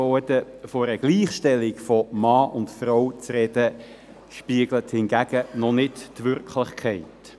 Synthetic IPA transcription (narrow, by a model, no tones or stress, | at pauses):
ɔdəfoɾəɡ̥liːχʃtɛlɪkfɔmɑːʔʊntfrɔwt͡srɛd̥ə | ʃpiəɡ̥ləthɪnɡæɡ̥ənɔnɪttʋʏɾkʰlɪχkʰɛɪt